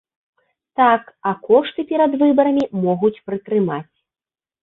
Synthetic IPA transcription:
t̪akɐkɔʂt̪ɨpʲɛɾɐd̪vɨbɐɾɐmʲimɔɣut͡sʲpɾɨt̪ɾɨmat͡sʲ

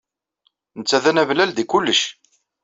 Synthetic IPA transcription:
nət͡sːæðænævlæld̪ikʊlːəʃ

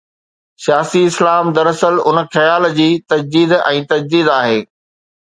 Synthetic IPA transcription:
sijaːsiɪslaːmd̪ɐɾəsəlʊnxɐjaːld͡ʑiːt̪ɐd͡ʑd̪iːd̪ɛ̰̃ːt̪ɐd͡ʑd̪iːd̪aːɦeː

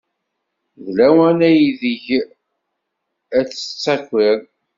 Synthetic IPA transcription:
ðlæwænæjiðəʝ | æt͡sːə̥t͡sːækʷːɪɾ

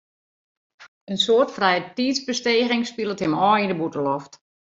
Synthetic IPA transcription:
ənsoːrtfrɛjətiːtzbəsteːɣɪŋspilˠəthɪmɔːindəbutəlɔft

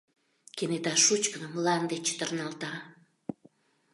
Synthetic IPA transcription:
kenet̪ɑʃut͡ɕkənəmlɑnd̪et͡ɕt̪ərnɑlt̪ɑ

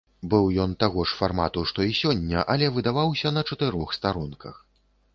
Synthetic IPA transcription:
bɨwjɔnt̪aɣɔʂfarma̰t̪uʂt̪ɔisʲɔnʲːɐʔɐlʲɛvɨd̪avawsʲɐnɐt͡ʂɐt̪ɨɾɔxst̪aɾunkʰɐ̰x

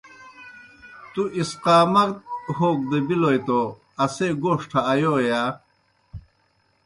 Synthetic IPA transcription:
t̪uʔisqaːmɐɾt̪̚hoːk̚d̪ɐbilojt̪o | ɐseːɡoːʂʈʰaːjojaː

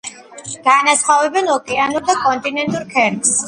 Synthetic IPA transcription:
ɡ̥aːnasχwavɛbɛnɔkʼɛanuɾd̪akʼɔnt̪ʼinɛnt̪ʼuɾkʰɛɾks

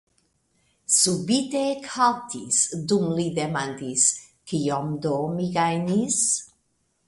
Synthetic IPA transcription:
subit̪ekʰalt̪ʰisdumlid̪emand̪is | kiomd̪omiɡajnis

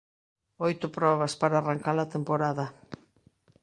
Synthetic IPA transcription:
ojt̪ʊpɾɔβɐspaɾaːraŋkalat̪empoɾaðɐ

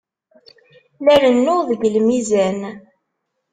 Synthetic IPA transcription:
læɾənːʊðəɡlmizæn

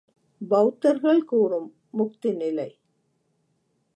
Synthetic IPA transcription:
bɐwt̪ːɐɾɣɐɭkuːrɯmː | ʊkt̪inɪlɐɪ

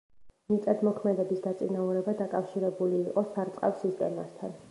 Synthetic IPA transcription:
mit̪sʼad̪mɔkʰmɛd̪ɛbisd̪at̪sʼinauɾɛbad̪akʼafʃiɾɛbuliːqʼɔsaɾt̪sʼqʼa̰fsist̪ʼɛ̰mast̪ʰan

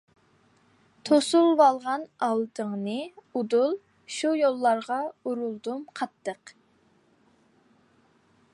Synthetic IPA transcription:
t̪ʰosulˠvɑlˠʁɑnɑlˠd̪əŋnɨud̪ulˠ | ʃujolˠːɑɾʁɑuɾulˠd̪umqʰɑt̪ʰːəq

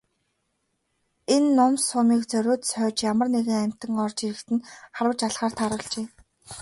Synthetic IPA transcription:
enːʊmsʊmiːkt͡sœɾʲoːt̪sœːt͡ɕjamə̆rneɣɘ̆ŋæm̥ʲt̪ə̆ŋɔrt͡ɕiɾɘ̆kt̪ɘ̆nχaɾwə̆t͡ɕaɮχaːrt̪ʰaɾʊ̆ːɮt͡ɕeː

